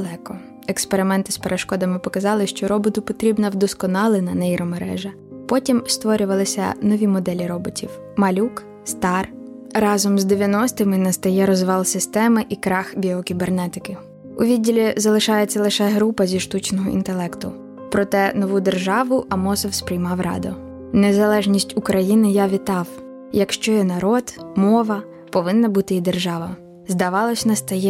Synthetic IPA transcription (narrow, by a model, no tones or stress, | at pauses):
lˠɛkɔ | ekspeɾɪmɛnt̪ɪ̥speɾeʃkɔd̪ɐmɪpɔkɐzɑlˠɪʃt͡ʃɔɾɔbɔt̪ʊpɔt̪ɾʲibnɐwd̪ɔskɔnɑlˠɪnɐnɐjiɾɔmeɾɛ̰ʒɐ | pɔtʲimst̪ʋɔɾʲʊʋɐlˠɪsʲɐ̰nɔʋʲimɔd̪ɛlʲiɾɔbɔtʲḭw | mɐlʲuk | st̪ɑr | rɑzɔmzd̪eʋʲjɐnɔst̪ɪmɪnɐst̪ɐjɛɾɔzʋɑlˠsɪst̪ɛmɪʔikɾɑxbʲiɔkʲibernɛt̪ɪkɪ | ʊʋʲidʲːilʲizɐlˠɪʃɑjet͡sʲːɐlˠɪʃɛɦɾupɐzʲiʃt̪ut͡ʃnɔɦɔḭnt̪elˠɛkt̪ʊ | pɾɔt̪ɛnɔʋud̪erʒɑʋʊʔɐmɔsɔwspɾʲijmɑwrɑ̰d̪ʊ | nezɐlˠɛʒnʲisʲtʲʊkɾɐjinɪjaʋʲit̪ɑw | jɐkʃt͡ʃɔjɛnɐɾɔd̪mɔʋɐ | pɔʋɪnːɐbut̪ɪid̪erʒɑʋɐ | zd̪ɐʋɑlˠɔsʲnɐst̪ɐjɛ